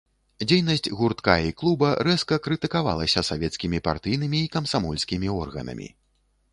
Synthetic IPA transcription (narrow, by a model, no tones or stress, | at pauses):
d͡zʲejnɐsʲt͡sʲɣurt̪ka̰iklˠubɐɾɛskɐkɾɨt̪ɨkava̰lˠɐsʲɐsavʲɛt̪skʲimʲipa̰rt̪ɨjnɨmʲiːkɐmsamɔlʲsʲkʲimʲiɔrɣɐ̰nɐ̰mʲḭ